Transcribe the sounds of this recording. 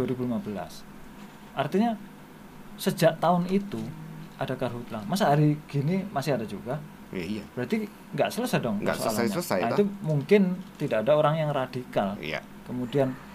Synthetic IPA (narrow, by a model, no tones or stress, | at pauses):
aɾibulimabəla̰s | ʔart̪iɲa | səd͡ʒaʔt̪aʊnit̪uʔadakarɦut̪lahmasaɦaɾiɡ̥inimasɪhadad͡ʒuɡa | ja̰ab̥ɾat̪i | ŋɡaʔsələsadɔŋŋɡa̰so̰a̰laɲaəsajait̪umuŋkɪnt̪idaʔadaoɾaŋjaŋradikala̰ | kəmudian